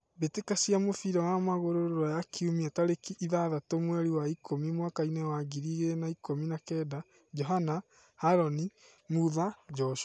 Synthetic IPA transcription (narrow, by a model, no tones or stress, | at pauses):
betekasiamofiɾawamaɣoɾoɾoɾajakʰiumiataɾekiʔːðaðatomwɛɾiwaikʰomimwakainɛwaɡiɾiɣenaikominakɛːda | d͡ʒɔɦana | haɾɔni | muðad͡ʒɔʃa